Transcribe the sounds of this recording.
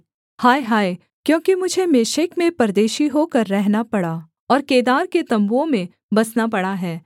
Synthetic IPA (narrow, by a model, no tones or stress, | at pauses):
haːeɦaːe | kjõːkimʊd͡ʒʱemeːʃekmẽpɐɾd̪eːʃiɦokɐɾːɛɦnapɐɽaː | ɔːɾkeːd̪aːɾket̪ɐ̃mbuõmẽ | bɐsnapɐɽaɦɛː